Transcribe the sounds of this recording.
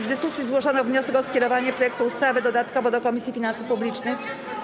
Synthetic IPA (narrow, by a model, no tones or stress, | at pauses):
vd̪ɘskusʲjizwɔʐɔnɔvɲɔsɛkɔskʲɛɾɔvaɲɛpɾɔjɛkt̪uːst̪avɘd̪ɔd̪at̪kɔvɔd̪ɔkɔmʲisʲjifʲinansufpublʲit͡ʂnɘx